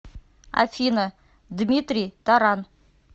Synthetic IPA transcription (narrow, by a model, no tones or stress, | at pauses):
a̰fʲinə | d̪mʲit̪rʲijt̪aɾɑn